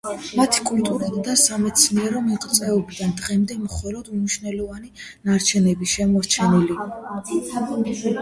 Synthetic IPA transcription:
mat̪ʰi̥kʼult̪ʼuɾd̪asamɛt̪sʰniɛɾɔmiqʼt̪sʼɛɔbid̪and̪ʁɛmd̪ɛmχɔlɔd̪umniʃvnɛlɔvani | naɾt͡ʃʰɛnɛbiʃɛmɔɾt͡ʃʰɛnili

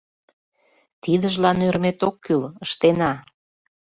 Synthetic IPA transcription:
t̪id̪əʒlɑnøɾmet̪okʰːyləʃt̪enɑ

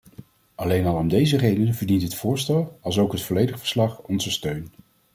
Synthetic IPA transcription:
ɑlejnɑlˠɔmdejzərejdənəvəɹdintɦətfʊːɹstɛlˠɑlˠsowkɦətfɔlejdəχfə̥ɹslɑχɔnzəstøɥn

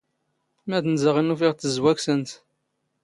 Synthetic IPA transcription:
mæθnzəʁinufiʁθəzwæksənt̪

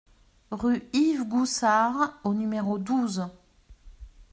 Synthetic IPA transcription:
ʁyivɡusaʁonymeʁod̪uz

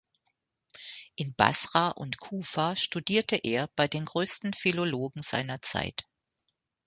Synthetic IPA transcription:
ʔɪnba̰sʁ̥aʔʊ̰ntkʰuːfaʃtudiːɐtʰəʔeːɐb̥aɪdeːnɡʁøːstn̩filoloːɡŋ̩z̥a̰ɪnɐt͡sa̰ɪt

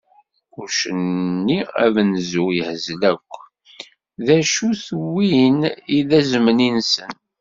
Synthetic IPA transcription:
uɾʃənːiæ̰vnzujəhzlækʷː | ðæʃuθwiniðæzməninsən

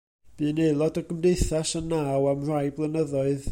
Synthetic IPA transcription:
b̥ɨːnejlˠɔdəɡəmdejθasənːawamrajblˠənəðɔɨð

